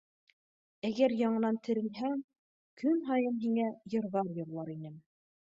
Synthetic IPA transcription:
æɡæɾjɑɴɤ̆nɑnt̪ʰɘ̆ɾɘ̆lɦæŋ | kɵmɦɑjɤmɦiŋæjɤ̆ɾðɑɾjɤ̆ɾlˠɑɾinɘm

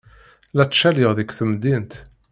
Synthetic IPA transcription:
læt͡sːʃælɪʁðəkːθəmd̪int̪

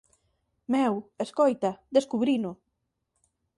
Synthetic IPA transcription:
mɛweskojt̪ɐd̪eskuβɾinʊ

